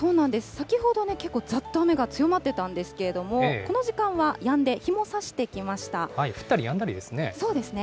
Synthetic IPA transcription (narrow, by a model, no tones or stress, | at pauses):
so̞ːnãnd̪e̞sɨ̥sakʲiɦo̞d̪o̞ne̞ke̞kːo̞ːd͡zat̪ːoame̞ɡat͡sɨjo̞mat̪ːe̞t̪ãnd̪e̞sɨ̥ke̞ɾe̞d̪o̞mo̞ko̞no̞ʑikãɰ̃βajãnd̪e̞çimo̞saɕi̥t̪e̞kʲimaɕi̥t̪ahaiɸɯ̟̥t̪ːaɾʲijãnd̪aɾʲid̪e̞sɨneso̞ːd̪e̞sɨne̞